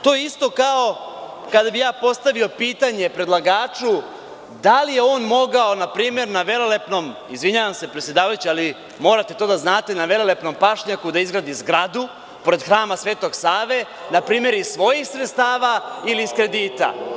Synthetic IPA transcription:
t̪o̞jeist̪o̞kao̞kad̪abijaːpo̞st̪aʋio̞piːt̪aɲe̞pɾe̞d̪lˠaɡaːt͡ʂu | d̪alije̞o̞ːnmo̞ɡao̞napɾiːme̞ɾnaʋe̞lole̞pno̞m | izʋiɲaːʋamse̞pɾet̪ʲje̞d̪aːʋajut͡ɕiali | mo̞ːɾat̪e̞t̪o̞ːd̪aznaːt̪e̞naʋe̞lolepno̞mpaʂɲakud̪aizɡɾad̪izɡɾad̪u | po̞ɾe̞d̪xɾaːmasʋe̞ːt̪o̞ɡsaːʋe̞ | napɾiːme̞ɾissʋo̞jixsɾet̪st̪aːʋailiːskɾe̞d̪iːt̪a̰

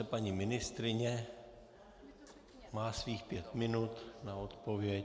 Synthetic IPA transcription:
ɛpaɲimɪnɪst̪ɾɪɲɛ | maːsviːxpjɛt̪mɪnut̪naot̪povjɛ

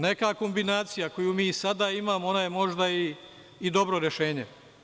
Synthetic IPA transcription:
ne̞kako̞mbinaːt̪sijako̞juːmiːsad̪aimaːmoonojemo̞ʒd̪aiː | d̪o̞bɾo̞ɾjeʃeːɲḛ

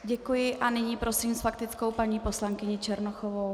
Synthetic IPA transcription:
ɟɛkujɪʔʔanɪɲiːpɾo̞siːmsfak̚t̪ɪt͡sko̞wpaɲiːpo̞slaŋkɪɲɪt͡ʃɛɾnoxovow

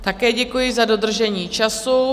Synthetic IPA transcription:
t̪akɛːɟɛkujɪzadod̪r̩ʒɛɲiːt͡ʃasu

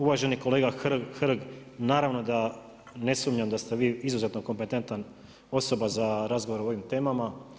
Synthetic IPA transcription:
uʋaʒe̞niko̞le̞ːɡaxxr̩ɡnaːɾaʋno̞d̪a | ne̞suːmɲamd̪ast̪eʋiːizuze̞t̪no̞ko̞mpe̞t̪e̞nt̪an | o̞so̞bazaɾazɡo̞ʋoɾeoo̞ʋimt̪e̞ːmama

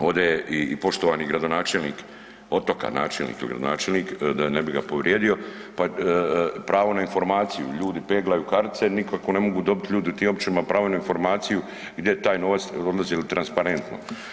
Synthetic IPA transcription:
o̞d̪eipo̞ʃt̪oʋaːniɡɾad̪o̞naːt͡ʃelniːk | o̞t̪oka̰na̰ːt͡ʃelnḭkiliɡɾa̰d̪ona̰ːt͡ʃelniːkd̪anebiɡapo̞ʋɾjeːd̪io̞pa | pɾaːʋo̞nainfo̞ɾmaːt̪sijṵʎuːd̪ipeːɡlajukaɾt̪t̪senikoakone̞moɡuːd̪o̞bit̪ʎuːd̪iut̪iːmo̞bt͡ʃinimapɾaːʋonainfo̞ɾmaːt̪siju | ɡd̪jet̪aːjno̞ʋat̪sod̪lˠazilit̪ɾanspaɾe̞nt̪no̰

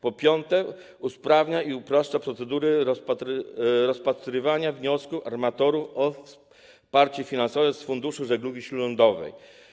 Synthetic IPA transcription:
pɔpʲjɔnt̪ɛ | uspɾavɲaiupɾɔʂt͡ʂapɾɔt̪sɛd̪uɾɛɾɔpat̪ɾɾɔspat̪ɾɘvaɲavɲɔskufaɾmat̪ɔɾufɔfs | paɾt͡ɕɛfʲinansɔvɛsfund̪uʂuʐɛɡluɡʲiɕlulɔnd̪ɔvɛ̰j

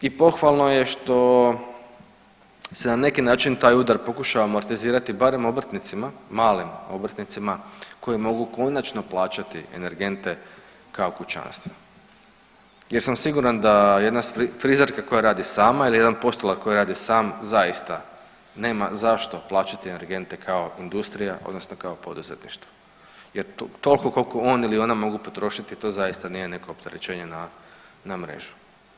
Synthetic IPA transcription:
ipo̞xʋalˠno̞je̞ʃt̪o̞ | senane̞kinaːt͡ʃint̪aːjud̪aɾpo̞kuʃaʋamoaɾt̪eziːɾat̪ibaɾe̞mo̞bɾt̪nit̪simamaːlimo̞bɾt̪nit̪simako̞jimo̞ɡuko̞nat͡ʃno̞plˠaːt͡ʃat̪iḛne̞ɾɡe̞nt̪e̞ | kaokut͡ʃa̰nst̪ʋe | jeɾsamsiɡuɾand̪ajed̪nasifɾizaɾkako̞jaɾaːd̪isaːmailije̞d̪anpo̞st̪olakko̞jiɾaːd̪isaːmzajist̪a | ne̞ːmazaʃt̪o̞plˠaːt͡ʃat̪iene̞ɾɡe̞nt̪e̞kʰaoind̪ust̪ɾijaʔo̰d̪nosnokao̞po̞d̪uzet̪nḭʃt̪ʋo | jeɾt̪o̞lˠko̞ko̞lko̞o̞ːnilio̞namo̞ɡupo̞t̪ɾo̞ʃit̪it̪o̞zajist̪anijene̞ko̞ːpt̪eɾet͡ɕe̞ːɲenanamɾe̞̰ʒu̥

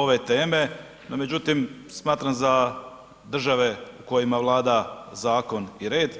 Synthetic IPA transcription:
o̞ʋet̪e̞ːme̞ | nome̞d͡ʑut̪im | smaːt̪ɾamza | d̪r̩ʒaʋe̞uko̞jimaʋlˠaːd̪azaːko̞niɾe̞ːd̪

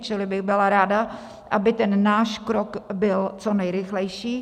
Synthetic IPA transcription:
t͡ʃɪlɪbɪɣbɪlaɾaːda | ʔabɪt̪ɛnːaːʃkɾokbɪlt͡sonɛjɾɪxlɛjʃiː

